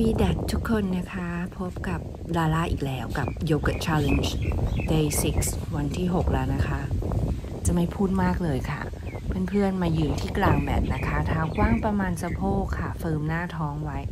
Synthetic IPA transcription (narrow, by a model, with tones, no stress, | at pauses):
fiː˧dɛ˨˩t̪ʰːu˦˥kʰːo˧nːa˦˥kʰa˦˥pʰo˦˥p̚ka˨˩p̚ | ɾaː˧laː˥˩ʔḭː˨˩k̚lɛː˦˥wka˨˩p̚joː˧ka˨˧˩t͡ɕʰɛː˧le˧nsde˧si˦˥k̚swa˧nt̪ʰiː˥˩ɦo˨˩k̚la̰˧˩na˦˥kʰa˦˥ʔ | t͡ɕa˨˩ma˥˩jpʰuː˥˩t̪̚maː˥˩k̚lɤː˧jkʰa̰˥˩ | pe˧npʰɯ˥˩ənmaː˧jɯː˨˧nt̪ʰiː˥˩klaː˧˩ŋbɛ̰ː˨˩p̚na˦˥kʰa˦˥t̪ʰaː˦˧˥wkwaː˥˩ŋpɾa˧maː˧nsa˧pʰoː˥˩kʰːa˥˩fɤː˧mnaː˥˩t̪ʰɔː˦˥ŋwa˦˥j